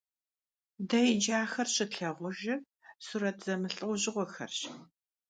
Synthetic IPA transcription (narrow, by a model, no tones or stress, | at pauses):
dɐjɪd͡ʒaːxɐrɕɪɬɐʁʷʊʒɪ | suɾɐtʰz̥ɐmɨɬʼɨwʷʊʑɪʁʷɔxɐ̰rɕ